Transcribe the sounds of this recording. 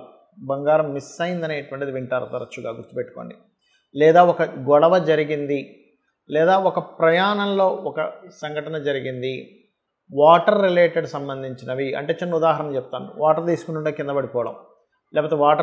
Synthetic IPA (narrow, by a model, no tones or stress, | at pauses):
bɐŋɡaːɾɐmːisːɐjind̪ɐneːʈuʋɐɳʈid̪iʋiɳʈaːɾɐt̪ɐɾɐt͡ʃːuɡaːɡuɾt̪ːupeʈːu̥koːɳɖi | lɛːd̪aːɔkɐɡɔɭɐʋɐd͡ʒɐɾiɡind̪i | lɛːd̪aːɔkɐpɾɐjaːnɐmlo̞ːɔkɐsɐŋɡʱɐʈɐnɐd͡ʒɐɾiɡind̪i | ʋaːʈɐɾːile̞ːʈeɖsɐmbɐnd̪ʱiɲt͡ʃinɐʋiɐ̰ɳʈe̞ːt͡ʃinːɐud̪aːɦɐɾɐnɐmt͡ʃɛput̪aːnḭʋaːʈɐɾt̪iːsukunuɳʈekind̪ɐbɐɽipɔːɐɽɐ̰m | lɛːpoːt̪eʋaːʈɐ